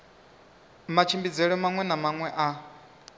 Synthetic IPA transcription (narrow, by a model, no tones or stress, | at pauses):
mat͡ʃʰimbid͡zɛɺɔmaŋwɛnamaŋwɛʔa